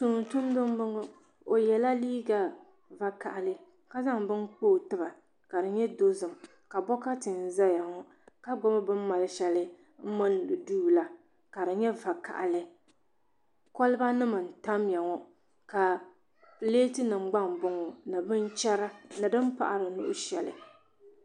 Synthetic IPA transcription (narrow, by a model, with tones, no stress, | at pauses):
tu˨ŋ˨n˨tʊ˦m˦dɨ˦m˦bɨ˦ŋɔ˨ | o˨jɛ˨la˦liː˦ɡa˦ | va˦ka˨ʔa˨lɨ˦ | ka˦za˦ŋbɨ˦nk͡poː˦˨tɨ˦ba˨ | ka˨dɨ˨ɲɛ˦do˦zɨ˨m | ka˨bɔ˦ka˦tɨ˨n˨za˦ja˨ŋɔ˨ | ka˦ɡ͡bɔ˦ma˦bɨ˦m˦ma˨lɨ˦ʃɛ˦lɨ˦ | m̩˦mɨ˦n˦dɨ˨duː˦˨la˦ | ka˨dɨ˨ɲɛ˦va˨ka̰˨ʔa̰˨lɨ˦ | kɔ˦lɨ˦ba˦nɨ˦mɨ˨n̩˨ta˦mja˨ŋɔ˨ | ka˨ | pɨ˨leː˦tɨ˦nɨ˨m̩˦ɡ͡ba˦mbʊ˨˦ŋɔ˨nɨ˨bɨ˦n˦t͡ʃɛ˦ɾa˦nɨ˨dɨ˦m˦pa̰˨ʔa˨ɾɨ˨nʊ̰˦ʔʊ˦ʃɛ̰˨lɨ̰˨